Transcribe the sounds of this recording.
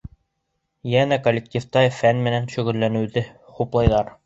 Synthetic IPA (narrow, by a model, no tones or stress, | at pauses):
jænækolʲːɪk̚tʲift̪ɑjfænmɘ̆nænʃɵ̆ɣɘ̆lːænɘ̆wðɘχuplˠɑjðɑɾ